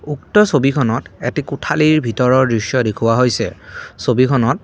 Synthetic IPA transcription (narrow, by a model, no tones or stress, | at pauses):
uktɔsobikʰɔnɔtetikutʰaliɹbʱitɔɹɔɹdɹisjɔdekʰʊwaɦojsɛ̰sobikʰɔnɔt